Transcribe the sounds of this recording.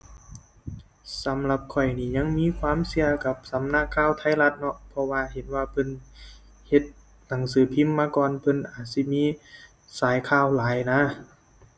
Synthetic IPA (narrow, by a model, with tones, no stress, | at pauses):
sa˨˦mla˧p̚kʰɔ˨˩jniː˧˩ɲa˧˥˨ŋmiː˧˥˨kʰwaː˧˥˨msi˧ɐka˧˦p̚sa˨˦mna˧˥˨kʰːaː˧˥˨wt̪ʰa˧˥˨jla˧˥t̪̚nɔ˧pʰɔ˧waː˧he˨˦nwaː˧pʰɤ˧˥˨n | he˧t̪̚ | na˨˦ŋsɯː˨˦pʰi˧˥˨mːaː˧˥kɔː˧˨npʰɤ˧˥˨nʔaː˨˩t̪̚si˧miː˧˥˨ | saː˨˦jkʰaː˧˨wlaː˨˦jna˧˥˨